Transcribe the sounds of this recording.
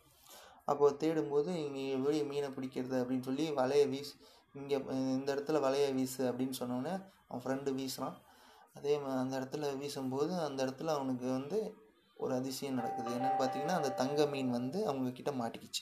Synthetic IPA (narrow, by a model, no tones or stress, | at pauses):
ʔɐ̰pːoːt̪eːɽɯmpoːðɯɪŋɡeʋeːɻimiːnɐpɪɽɪkːɪɾɐðɯɐpːɐɽɪnːsɔlːiʋɐlɐjaʋiːs | ɪŋɡeːɪnd̪ɐɪɽɐt̪ːɯlʋɐlɐjaːʋiːsɯɐpːɐɽɪnːɯsɔnːɐnːeɐʋɐ̰̃fɾɛɳɖɯʋiːsɾãːɐðeːɐnd̪ɐɪɾɐt̪ːɯlɐʋiːsɯmpoːðɯɐnd̪ɐɪɽɐt̪ːɯlɐʋɐnɯk̬ːɯʋɐnd̪ɯ | ʔɔ̰ɾɯɐðɪsɪjɐ̃nɐɽɐ̰kːɯðɯɛnːɐnːɯpaːɾt̪iːŋɡɐnːaːɪnd̪ɐt̪ɐŋɡɐmiːnʋɐnd̪ɯɐʋɐŋɡɐkɪʈːɐmaːʈːɪkːɪt͡ʃːɯ̥